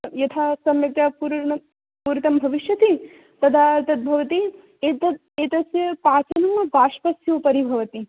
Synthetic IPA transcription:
jɐt̪ʰaːsɐmjɐk̚t̪japuːɾɐ | puːɾit̪ɐmbʱɐʋiʃjɐt̪i | t̪ɐd̪aːɾt̪ʰɐt̪̚bʱɐʋɐt̪i | et̪ɐ | eːt̪ɐsjɐpaːt͡ʃɐnɐmɐbaːʂpɐsjuːpɐɾibʱɐʋɐt̪i

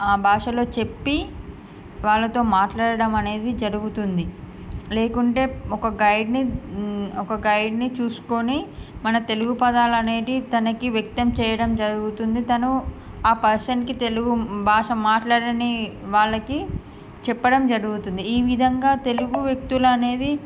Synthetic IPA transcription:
aːbʱaːʂɐlo̞ːt͡ʃe̞pːi | ʋaːɭːɐt̪o̞ːmaːʈlaːɽɐɽɐmɐne̞ːd̪id͡ʒɐɾuɡut̪und̪i | le̞ːkuɳʈe̞ːɔkɐɡɐjɖni | ɔkɐɡɐjɖnit͡ʃuːsu̥konimɐnɐt̪e̞luɡupɐd̪aːlɐne̞ːd̪it̪ɐnɐkiʋjek̚t̪ɐmt͡ʃɛːjɐɽɐmd͡ʒɐɾuɡut̪und̪it̪ɐnu | aːpɐɾsɐɳʈkit̪e̞luɡubʱaːʂɐmaːʈlaːɽɐniʋaːɭːɐki | t͡ʃɛpːɐɽɐmd͡ʒɐɾuɡut̪und̪iːʋid̪ʱɐŋɡaːt̪e̞luɡuʋjek̚t̪uluɐne̞ːd̪i

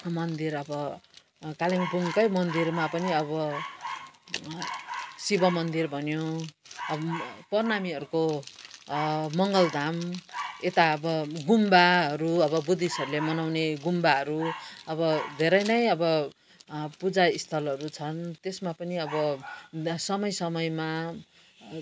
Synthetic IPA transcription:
mʌnd̪irʌbʌ | kaliŋpuŋkʌjmʌnd̪irmapʌniʌbʌ | sibʌmʌnd̪irbʱʌnjo | pʌrnamiʌɾuko | mʌŋɡʌld̪ʱamet̪aʌbʌɡumbaɦʌɾuʌbʌbud̪isʌɾulemʌnawneɡumbaɦʌɾuʌβʌd̪ʱeɾʌjnʌjʌbʌ | pud͡zaist̪ʰʌlʌɾut͡sʰʌnt̪esmapʌniʌbʌ | sʌmʌjsʌmʌjma

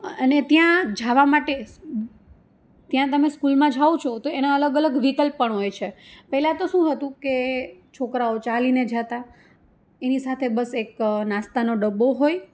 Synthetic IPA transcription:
əənet̪jãd͡ʒʱaʋamaʈe | t̪jãt̪əmeskulmãd͡ʒʱaõt͡ʃʰot̪oenaələɡələɡʋikəlpːəɳɦojt͡ʃʰepɛɦlat̪oʃũɦət̪ũket͡ʃʰokɾaot͡ʃalined͡ʒat̪a | enisat̪ʰebəseknãst̪anoɖəbːoɦoj

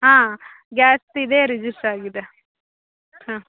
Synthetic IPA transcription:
ɦãː | ɡaːsid̪eːɾid͡ʒisʈaːɡid̪e | hãː

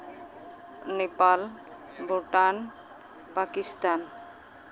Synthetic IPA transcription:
nepal | boʈan | pakist̪an

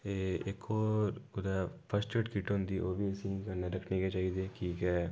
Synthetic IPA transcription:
eekɔːɾʊd̪apʰəsʈəʈkiʈõnd̪iʔoːbʱiɐsĩkɐɾneɾɐkʰnẽket͡ʃaːid̪eːkikɛ

